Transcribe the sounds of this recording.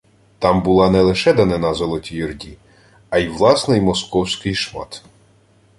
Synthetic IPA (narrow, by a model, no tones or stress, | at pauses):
t̪ɑmbʊlˠɑnɛlˠɪʃɛd̪ɐnɛnɑzɔlˠɔtʲijirdʲi | ɐjiwlˠɑsnɔjmɔskɔwsʲkɪjʃmɑ̰t̪